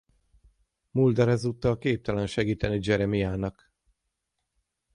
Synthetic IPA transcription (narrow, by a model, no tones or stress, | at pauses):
muld̪ɛɾɛzuːt̪ːɒlkeːp̚t̪ɛlɛnʃɛɡiːt̪ɛnid͡ʒɛɾɛmijaːnɒk